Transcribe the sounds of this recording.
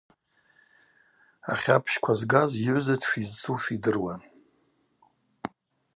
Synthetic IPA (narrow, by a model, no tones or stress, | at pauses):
a̰χʲapʰʃkʷʰazɡaziʕʷzatʰʂizt͡sʰʼufidɨrwan